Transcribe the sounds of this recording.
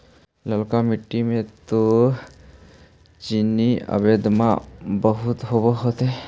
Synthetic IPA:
ləlkamiʈːimet̪o | t͡ʃinːiə̰bed̪ma̰bəɦut̪ɦobɔɦɔt̪e

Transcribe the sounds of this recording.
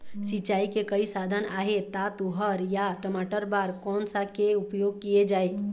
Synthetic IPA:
sit͡ʃaːikekəisaːd̪ʱənaːɦet̪at̪uɦəɾjaʈəmaːʈəɾbaːɾkɔːnsakeʊpjoːɡ̚kied͡ʒaːeː

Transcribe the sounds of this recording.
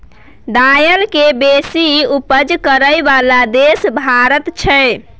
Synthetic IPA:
d̪ajəlkebesiupəd͡ʒkəɾəjbalad̪esbʱaɾət̪t͡ʃʰɛ

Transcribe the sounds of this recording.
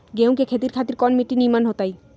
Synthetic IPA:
ɡew̃kekʰet̪̬iɾkʰat̪iɾkɔnmiʈːinimanɦot̪aj

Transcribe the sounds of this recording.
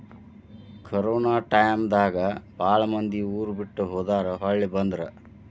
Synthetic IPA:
kʰɐɾoːnaːʈɐjmd̪aːɡɐpaːɭɐmɐnd̪iuːɾubiʈːuɦoːd̪aːɾɐɦɐɭːibɐnd̪ɾɐ

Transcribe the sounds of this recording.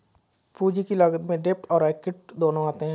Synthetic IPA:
puːd͡ʒikiləɡət̪mẽɖeːp̚ʈɔːɾaːkɪʈ̚d̪oːnõaːt̪eɦɛ̃ː

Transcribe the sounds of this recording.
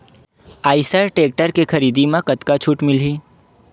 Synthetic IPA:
aːɪsaɾʈeːk̚ʈəɾkekʰɐɾiːd̪imãkət̪kat͡ʃʰuːʈmɪliː

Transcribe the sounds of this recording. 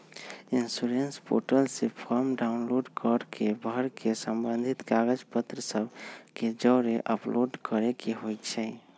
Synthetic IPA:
insuɾenspo̰ʈəlsepʰəɾmɖaʊnloɖkəɾkʰebʱəɾkʰesəmbə̃nd̪ʱit̪ɡaɡəd͡ʒpət̪ɾəsəbked͡ʒəːɾeʔə̰plʔoɖkəɾekeɦojt͡ʃʰɛ

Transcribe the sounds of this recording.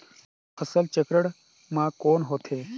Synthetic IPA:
pʰəsəlt͡ʃekɾəɽ | mãːkoːnɦoːt̪ʰeː

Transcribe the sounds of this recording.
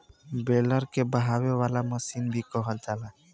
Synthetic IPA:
beləɾkebəɦawewalaməsinbʱikɔɦəld͡ʒala

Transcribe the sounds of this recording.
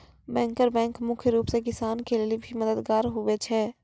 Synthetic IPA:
bɛ̃ːŋkəɾbɛ̃ːŋkmʊkʰjəɾuːpsekɪsaːnkelelibʱimɐd̪əd̪ɡaːɾɦʊʋet͡ʃʰɛː

